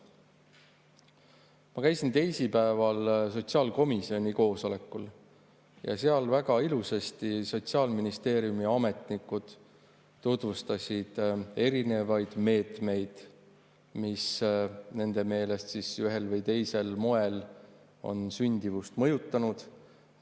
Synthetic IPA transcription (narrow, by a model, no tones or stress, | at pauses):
mɑkæjsint̪e̞jsipæevɑlso̞t̪siɑːlko̞misio̞nʲiko̞ːso̞le̞kːˑul | jɑ̰seɑlvæɡ̥ɑiluse̞st̪iso̞t̪siɑːlminist̪e̞ːɾjumiɑme̞t̪ˑnikːˑud̪̥ː | ut̪vust̪ɑsʲid̪̥e̞ɾine̞vɑjd̪̥me̞ːt̪me̞jd̪̥ | misne̞nd̪̥e̞me̞ːle̞st̪sisyɦe̞lvɤjt̪e̞jse̞lmo̞e̞l | o̞̰nsynʲd̪̥ivust̪mɤjut̪ːˑɑnud̪̥